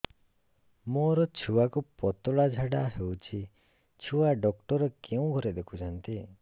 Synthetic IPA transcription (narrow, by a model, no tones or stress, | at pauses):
moɾɔt͡ʃʰuakupɔt̪ɔɭad͡ʒʱaɽaɦewt͡ʃʰi | t͡ʃʰuwaɖɔk̚ʈɔɾɔkeũɡʱɔɾed̪ekʰut͡ʃʰɔnt̪i